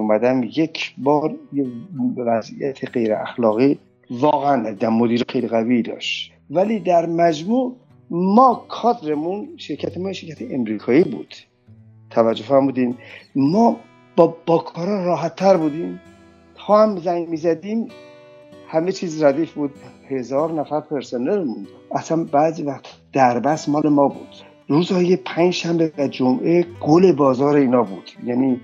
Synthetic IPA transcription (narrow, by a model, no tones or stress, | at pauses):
umæd̪æmjecʰbɒːɾjebevæzḭjæt̪ʰeɢe̞jɾḛʔæ̰xlɒːɣiː | vɒːɣeænnæd̪iːd̪æmːod̪iːɾixejliɣævid̪ɒ̰ʃt̪ | væliːd̪æɾmæd͡ʒmuː | mɒːkʰɒːd̪ɾemunʃeɾcʰæt̪ʰemɒːjeʃe̞ɾkcʰæt̪ʰeemɾiːkʰɒːiːbṵːd̪̥ | t̪ʰævæd͡ʒːofæɾmuːd̪immɒː | b̥ɒb̥ɒːkʰɒːɾɒːɾɒːɦæt̪ʰːæɾbuːd̪iːm | t̪ʰɒːhæmzæŋmiːzæd̪iːm | hæmet͡ʃʰiːzɾæd̪iːfbuːd̪he̞zɒːɾnæfæɾpʰe̞ɾsoneɾmund̪ | æsænbæːziːvæχt̪ʰd̪̥æɾbæsmɒːle̞mɒːbṵd̪̥ | ɾuːzhɒːjepʰænd͡ʒʃæmbevæd͡ʒomʔeɡ̥ole̞bɒːzɒːɾeiːnɒːbuːd̪̥jæniː